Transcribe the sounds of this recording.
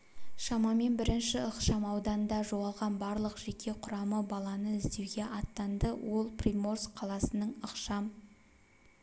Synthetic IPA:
ʃɑmɑme̞nbɪɾɪnʃɪəqʃɑmɑwd̪ɑnənd̪ɑʒowɑlˠʁɑnbɑɾlˠəqʒ̥e̞kʲʰe̞qʰʊɾɑməbɑlˠɑnəɪzd̪e̞wɡʲe̞ʔɑt̪ːɑnd̪əwo̞lˠprʲimo̞rskqʰːɑlˠɑsənəɴəqʃɑm

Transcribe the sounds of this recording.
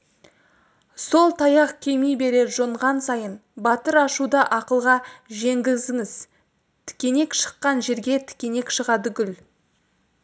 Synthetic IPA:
so̞lˠt̪ʰɑjɑqkʲʰe̞jmijbe̞ɾe̞ʒoɴʁɑnsɑjənbɑt̪əɾɑʃud̪ɑʔɑqəlˠʁɑʒe̞ŋɡʲɪzɪŋɪz̥ | t̪ʰɪ̥kʲe̞ne̞kʃə̥qːɑnʒe̞ɾɡʲe̞t̪ʰɪ̥kʲe̞ne̞kʃəʁɑd̪əɡʲʏl

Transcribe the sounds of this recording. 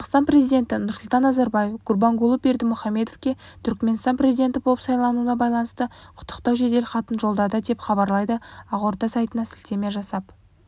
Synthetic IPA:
qɑqst̪ɑnpre̞zijd̪ʲe̞nt̪ɪnʊɾsʊlˠt̪ɑnːɑzɑɾbɑje̞fɡ̥ʊɾbɑŋɡʊlˠəp̚be̞ɾd̪ɪmʊχɑmːe̞d̪ofkʲe̞ | t̪ʰʏɾkʲme̞nst̪ɑnprʲe̞zijd̪e̞nt̪ɪbo̞lˠəpsɑjlˠɑnuənɑbɑjlˠɑnəst̪əqʰʊ̥t̪ʰːəqt̪ɑwʒe̞d̪e̞lχɑt̪ənʒo̞lˠd̪ɑd̪əd̪e̞pχɑbɑɾlˠɑjd̪əɑʁoɾt̪ɑsɑjt̪ənɑsɪlt̪e̞meʒɑsɑp

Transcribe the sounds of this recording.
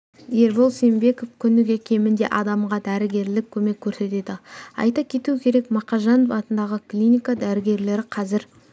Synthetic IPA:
je̞ɾbo̞lˠse̞mbe̞ko̞fkʲʰʏnɪɡʲekʲʰe̞mɪnd̪e̞ʔɑd̪ɑmʁɑd̪æɾɪɡʲe̞ɾlɪkʲʰːɵme̞kʲʰːɵɾse̞t̪e̞d̪ɪɑ̰jt̪ɑkʲʰe̞t̪uɪkʲʰe̞ɾe̞kmɑqɑʒɑnovɑt̪ənd̪ɑʁəklʲinʲikad̪æɾɪɡʲe̞ɾle̞ɾɪqʰɑzɪɾ

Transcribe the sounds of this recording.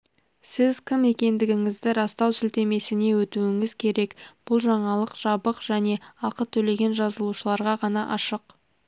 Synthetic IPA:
sɪzkʲʰɪme̞kʲe̞nd̪ɪɡʲɪŋɪzd̪ɪɾɑst̪ɑwsʏlt̪e̞me̞sɪne̞wɵt̪uɪŋɪz̥kʲʰe̞ɾe̞kb̥ʊlˠʒɑɴɑlˠəqʒ̥ɑbəqʒ̥æne̞ɑqət̪ʰɵle̞ɡʲe̞nʒɑzəlˠuʃəlˠɑɾʁɑʁɑnɑʔɑʃəq

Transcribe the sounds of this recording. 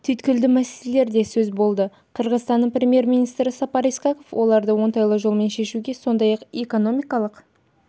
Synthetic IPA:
t̪ʰʏjt̪kʲɪld̪ɪmæselele̞ɾd̪e̞sɵzbo̞lˠd̪ə | qʰəɾʁəzt̪ɑnːəɴprʲɾʲemʲje̞ɾmʲinijst̪ɾɪsɑpɑɾiskɑko̞fwʔo̞lˠɑɾd̪əwo̞nt̪ɑjlˠəʒo̞lˠme̞nʃe̞ʃuɡʲe̞so̞nd̪ɑjɑqeko̞no̞mijkɑlˠəq

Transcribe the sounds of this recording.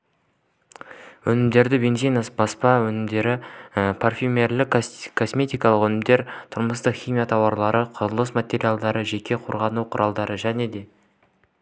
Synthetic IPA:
wɵnɪmd̪e̞ɾd̪ɪbe̞nzejnɑsbɑspɑwɵnɪmd̪e̞ɾɪpʰarfʲumʲerlɪkkʰo̞smʲe̞t̪ijkɑlˠəqwɵnɪmd̪e̞ɾt̪ʰʊɾməst̪əqχʲijmijat̪ʰɑwɑɾlˠɑɾəqʰʊzəlˠəsmat̪ʲe̞ɾʲijalˠd̪ɑɾəʒe̞kʲʰe̞qʰoɾʁɑnuwqʰʊɾʔɑlˠd̪ɑɾəʒæne̞d̪e̞

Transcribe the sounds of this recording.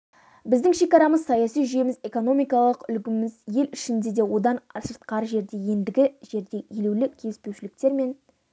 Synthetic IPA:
bɪzd̪ɪŋʃe̞kɑɾɑməzsɑjɑsijʒʏje̞mɪze̞ko̞no̞mijkɑlˠəqʏlɡʲɪmɪzje̞lɪʃɪnd̪e̞d̪e̞wo̞d̪ɑnsəɾt̪̚qɑɾʒe̞ɾd̪e̞je̞nd̪ɪɡʲɪʒ̥e̞ɾd̪e̞ʔeluwlɪkʲʰe̞lɪspewʃɪlɪkt̪e̞ɾme̞n

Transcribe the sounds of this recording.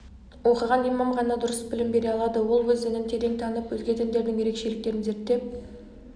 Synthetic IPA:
wo̞qəʁɑnijmɑmʁɑnɑd̪ʊɾəsbɪlɪmbe̞ɾe̞ɑlˠɑd̪əwo̞lˠwɵzd̪ɪnɪmt̪ʰed̪eŋt̪ʰɑnəpwɵzɡʲet̪ʰænd̪e̞ɾd̪ɪŋjeɾe̞kʃe̞lɪk̚t̪e̞ɾɪnze̞ɾt̪ːe̞p̚

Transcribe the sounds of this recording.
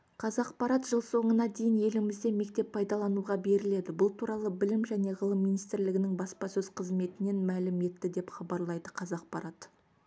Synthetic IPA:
qʰɑzɑqpɑɾɑt̪ʒəlˠso̞ɴənɑd̪e̞jɪnje̞lɪmɪzd̪e̞me̞k̚t̪e̞pʰːɑjd̪ɑlˠɑnuʁɑbe̞ɾɪle̞d̪ɪbʊlˠt̪ʰuɾɑlˠəbɪlɪmʒæne̞ʁəlˠəmːijnijst̪ɪɾlɪɡʲɪnɪŋbɑspɑsɵz̥qʰəzme̞t̪ɪne̞nmælɪme̞t̪ːɪd̪e̞pχɑbɑɾlˠɑjd̪əqʰɑzɑq̚pɑɾʔɑt̪

